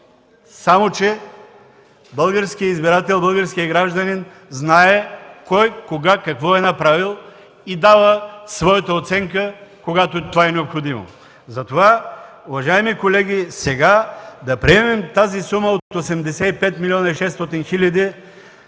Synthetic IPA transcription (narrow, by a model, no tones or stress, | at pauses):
samot͡ʃɛ | bəlˠɡaɾskiəizbiɾat̪ɛlˠbəlˠɡəɾskijəɡɾaʒd̪ɐnin | znaɛkɔjkoɡakakvɔɛnapɾavilˠ | id̪avəsvɔjɐt̪ɐot̪sɛŋkəkoɡat̪ot̪ovaɛnɛopxod̪imo̰ | zɐt̪ova | uvaʒajmikolɛɡʲisɛɡad̪ɐpɾiɛmɛmt̪azisumɐot̪osɛmd̪ɛsɛipɛt̪milʲiɔnɐiʃɛst̪ɔt̪inxilʲad̪i